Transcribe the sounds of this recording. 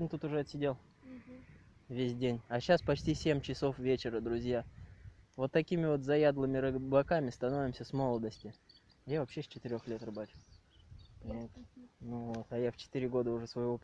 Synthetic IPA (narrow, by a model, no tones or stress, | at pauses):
nt̪ut̪ʊʐɛɐt̪sʲɪdʲelˠ | vʲesʲdʲenʲɐɕaspɐt͡ɕtʲisʲemʲt͡ɕɪso̞fvʲet͡ɕɪɾəd̪ɾʊzʲja | vo̞t̪ːɐkʲimʲɪvo̞t̪zɐjad̪lˠɨmʲɪɾɨblˠɐkamʲɪst̪ɐno̞vʲɪmsʲəsmo̞lˠəd̪əsʲtʲɪ | ajavɐpɕːesʲt͡ɕɪt̪ɨɾʲo̞xlʲe̞t̪rɨbat͡ɕʊ̥ | pɐnʲat̪nuvo̞t̪ɐjaft͡ɕɪ̥t̪ɨɾʲɪɡo̞d̪əʊʐɛsvəjɪvo̞p